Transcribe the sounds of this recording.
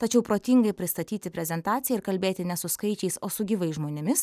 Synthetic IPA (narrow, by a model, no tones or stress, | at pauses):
t̪ɐt͡ʃʲɛʊpɾoːt̪ʲiŋɡɐɪpʲɾʲɪst̪ɐt̪ʲiːt̪ʲɪpʲɾʲɛzʲɛnt̪ɑːt̪sʲɪjɛɪɾkɐlʲbʲeːt̪ʲɪnʲɛsʊskɐɪt͡ʃʲɛɪsoːsʊɡʲiːʋɐɪsʒmoːnʲɛmʲɪs